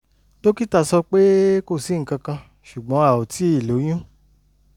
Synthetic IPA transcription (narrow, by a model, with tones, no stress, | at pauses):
to˦ki˦ta˧˨sɔ˧k͡pe˦ko˦˨si˨˦ŋ̩˨kã˧kã˧ | ʃu˨ɡ͡bɔ̃˨˦a˦˨o˨tʰi˨˦i˦˨lo˨˦j̃ũ˦